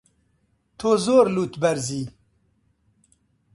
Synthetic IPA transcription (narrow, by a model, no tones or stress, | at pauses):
t̪ʰozoːɾluːt̪bɛɾziː